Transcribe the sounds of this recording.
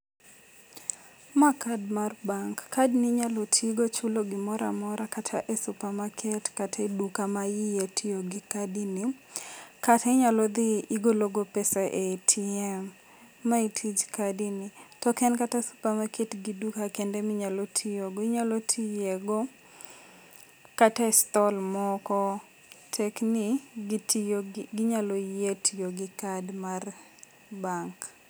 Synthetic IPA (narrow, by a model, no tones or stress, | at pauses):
makadmarbaŋkːadnɪɲalɔtʰiɡot͡ʃʊloɡɪmɔɾa̰mɔɾakatʰa̰ʔesʊpamakʰɛtkatʰedukamajijetʰioɡɪkadini | katʰeɲalɔd̪iiɡoloɡopɛsaʔetʰiɛmː | aitʰid͡ʒkadinitɔkɛnkatasu̥pamaketɡidukakendɛmɪɲalotʰijoɡɔiɲalɔtʰijeɡɔ | kataɛst̪ɔlmɔkɔ | tʰɛkniɡtioɡɪɲalɔjetʰijoɡɪkadmar | baŋk